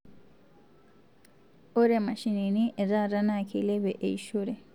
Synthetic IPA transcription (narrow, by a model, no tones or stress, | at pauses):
oɾemɐʃininiɾaɾanakʰilebeʔeiʃoɾe